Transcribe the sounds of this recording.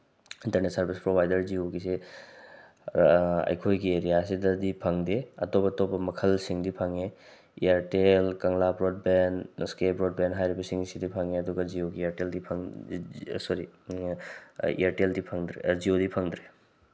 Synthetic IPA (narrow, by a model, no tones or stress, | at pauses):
intɐɾnetsɐɾbʱispɾobʱajdɐɾd͡ʒioɡise | ɐ̰jkʰojɡieɾijas̬idɐdipʰɐŋdeɐtobɐtobɐmɐkʰɐlsiŋdipʰɐŋe | ḭaɾʈelkɐŋlapɾod̚benskebɾod̚benɦajɾibɐsiŋsidipʰɐŋeɐduɡazioɡiaɾʈeldipʰɐŋ | soɾi | ḭaɾʈeldipʰɐŋd̪ɾed͡ʒiodipʰɐŋd̪ɾe